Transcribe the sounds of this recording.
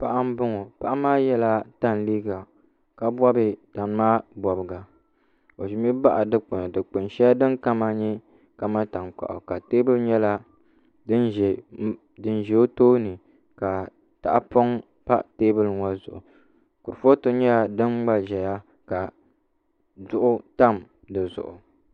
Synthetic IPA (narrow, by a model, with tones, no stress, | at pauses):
pa˨ʔa˦m̩˦bʊ˦ŋo˨pa˦ʔa˦maː˦jɛ˦la˦ta˦n˨liː˦ɡa˨ | ka˨bʷɔ˦bɨ˨ta˨n˦maː˦bɔ˨bɨ˨ɡa˨ | o˨ʒi˨mi˦ba˦ʔa˨dɨ˦k͡pɨ˨n˨dɨ˨k͡pɨ˨nʃɛ˦ja˦dɨ˦nka˦ma˦ɲɛ˦ | ka˦ma˦ta˨ŋk͡pa̰˨ʔo̰˨ka˨teː˦bɨ˦lɲɛ˦la˦ | dɨ˦n˨ | dɨ˦nʒɛ˨o˦toː˦nɨ˨ | ka˨ | ta̰˨ʔa˦po˦ŋ | pa̰˦ʔteː˦bɨ˦lŋwa˦zʊ̰˨ʔʊ˨ | ku˨ɾfo˦to˦ɲɛ˦ja˨dɨ˦nɡ͡ba˦ʒɛ˨ja˦ | ka˨ | zʊ˨ʔʊ˦ta˦m | dɨ˨zʊ̰˨ʔʊ˨